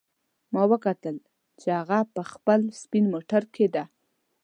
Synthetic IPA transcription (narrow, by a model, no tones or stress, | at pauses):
mɑwəkat̪əl | t͡ʃehaɣapəxpəlspinmoʈaɾkʰed̪a